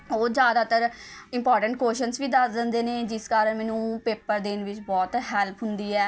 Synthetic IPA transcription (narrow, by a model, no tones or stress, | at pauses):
oːd͡ʒjaːd̪aːt̪əɾɪ̃mpɔːɾʈə̃ɳʈ̚koːʃənsʋiːd̪əsd̪ənd̪eːneːd͡ʒɪskaːɾənmɛ̃ːnũːpeːpəɾd̪ɪnʋɪt͡ʃbɔːt̪ɦɛːlpʰɦʊnd̪iːɛː